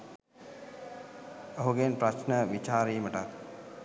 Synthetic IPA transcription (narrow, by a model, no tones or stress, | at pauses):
oɦuɡenpɾat͡ʃnəʋit͡ʃaːɾiːməʈak